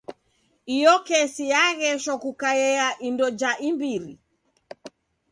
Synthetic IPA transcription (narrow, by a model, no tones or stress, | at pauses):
ijɔkɛsijaɣɛʃɔkukajɛaʔindɔd͡ʒaʔimbiɾḭ